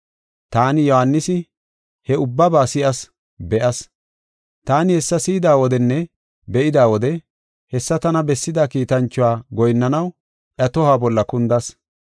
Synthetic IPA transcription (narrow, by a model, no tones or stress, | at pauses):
t̪aːnɪjɔhɐnːɪsɪ | hɛʊbːɐbaːsɪʔɐs | bɛʔɐs | t̪aːnɪhɛsːɐsɪːɪd̪aːwɔd̪ɛnːɛ | bɛʔɪd̪aːwɔd̪ɛ | hɛsːɐt̪ɐnɐbɛsːɪd̪aːkiːt̪ɐnt͡ʃːʊwaːɡɔjnːɐnɐw | ʔɐt̪ɔhaːbɔlːɐkʊnd̪ɐs